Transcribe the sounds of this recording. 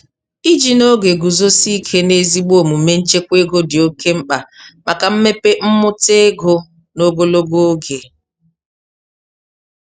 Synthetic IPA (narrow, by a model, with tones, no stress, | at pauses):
i˦d͡ʒi˨no˦ɡe˨ɡu˨zo˦si˦kʰe˦ne˦zi˦ɡ͡bo˨mu˨˦me˦n̩˦t͡ʃe˦kʷe˦ɡo˦dɪ˨o˦ke˦m̩˦k͡pa˨ma˨ka˨m̩˦me˦pe˦m̩˦mʊ˦te˦ɡo˦ | no˦ɡo˦lo˦ɡo˦o˦ɡe˨